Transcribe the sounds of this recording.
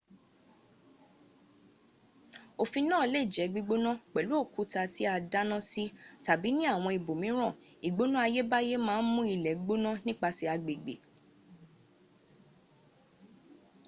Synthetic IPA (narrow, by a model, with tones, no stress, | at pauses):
o˨fĩ˧nãː˦˨le˦˨d͡ʒɛ˨˦ɡ͡bi˧˦ɡ͡bo˦nã˦k͡pɛ˨lu˦o˦˨ku˨˦ta˧ti˦a˧da˦nã˦si˦ta˨bi˨˦nĩ˦a˦˨w̃ɔ̃˧i˨bo˨mĩ˨˦ɾ̃ã˦˨i˨ɡ͡bo˨˦nũ˦a˧je˦ba˦je˦mãː˦n̩˦mũ˦i˧lɛ˨ɡ͡bo˦nã˦nĩ˦k͡pa˧si˧˦a˧ɡ͡be˨ɡ͡bḛ˨